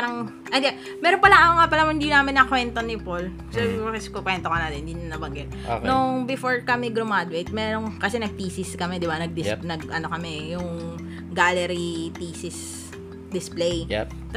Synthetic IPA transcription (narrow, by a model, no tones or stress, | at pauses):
aɾɐŋ | ʔɐjd̪ɛ | mɛːɾonpɐlaɐmɐŋapɐlamɪnd̪inaːmɪnɐkwɛnt̪onɪpol | sɛɐskokwɛnt̪okɐnaːt̪ɛnhɪnd̪inɐnɐbɐŋɡɛt̪̚noŋbɪfoɹkɐmɛɡɾomad̪wɛt̪̚mɛɾoŋkɐsɛnɐɡ̚p̪iːsɪskɐmɛd̪ɪbanɐɡ̚d̪ɪsnɐɡ̚ʔɐnokɐmɛjʊŋ | ɡalɛɾipiːsɪs | d̪ɪsplej | t̪